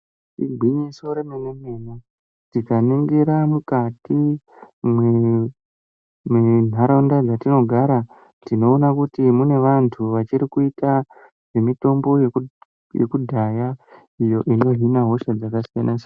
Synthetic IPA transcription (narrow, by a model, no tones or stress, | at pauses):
tiɡʱwiɲiso̞ɾemenemena | tikaniŋɡeɾamukati | mwe | men̤aɾondad͡zatino̞ɡʱaɾa | tino̞ːnakutimune̞ʋantʰuʋat͡ʃiɾikuita | ʐ̥e̞mito̞mbo̞je | jḛkudʱaja | ijo̞ʔino̞ɦinaɦo̞ʃad͡zakasijanʔase